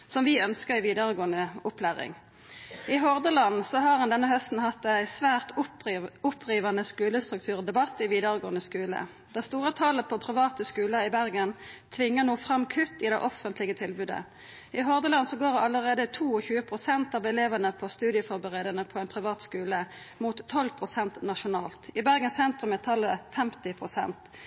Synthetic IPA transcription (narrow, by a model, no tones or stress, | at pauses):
sɔmʋɪœnskəʁæɪʋiːd̪əʁəɡoːənəʊpʰlæːʁɪ̰ŋ | ɪɦɔʁd̪əlɑnsɔɦɑʁɑnd̪ɛnːəhœst̪n̩hɑt̪ːæɪsʋæːʁt̪ | ʊpʰʁiːʋɑnəskʉːləst̪ʁʉk̚t̪ʰʉːʁɔd̪ɛbɑt̪ːɪʋiːd̪əʁəɡoːənəskʉːlə̰ | d̪̥æst̪uːʁət̪ʰɑːləpʰɔpʰʁɪʋɑːt̪əskʉːləɪbæʁɡənt̪ʰʋɪŋːənuːfʁɑmkʰʉt̪ːɪd̪æɪʔɔfənt̪lɪɡət̪ʰɪlbʉːd̪ə̰ | ɪɦɔʁd̪əlɑnsɔɡoːʁɑlːəʁeːd̪ət̪ʰuːɔçʉːəpʰʁʊsɛnt̪ɑʋɛleːʋənəpʰɔst̪ʉːd̪ɪəfɔʁbəʁeːd̪ənəpʰɔæɪnpʰʁɪʋɑːt̪skʉːlə | mut̪ʰːɔlpʰʁʊsɛnt̪nɑʃʊnɑːlt̪ɪbæʁɡənsɛnt̪ʁʉmɛt̪ʰːɑlːəfɛmt̪ɪpʰʁʊsɛ̰nt̪